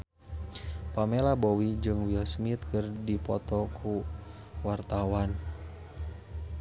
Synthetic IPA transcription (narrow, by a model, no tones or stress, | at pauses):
pamelabɔwid͡ʒɨŋwilsmit̪̚kɨrdipɔt̪ɔkʰu | wart̪awan